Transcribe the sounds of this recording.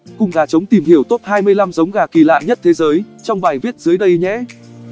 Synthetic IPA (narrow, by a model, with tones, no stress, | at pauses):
kʊ˨˩ŋ͡mɣaː˨˩t͡ɕə˨˦wŋ͡mt̪i˨˩mhi˧˩əwt̪o˦˥p̚haː˧jmɨ˧əjla˧mzə˨˦wŋ͡mɣaː˨˩ki˧˩la̰ː˧˨nɲə˦˥t̚t̪ʰe˨˦zəː˨˦j | t͡ɕɔ˧wŋ͡mɓaː˨˩jvi˦˥ət̚zɨ˨˦əjɗə˧jɲɛ̰˧˥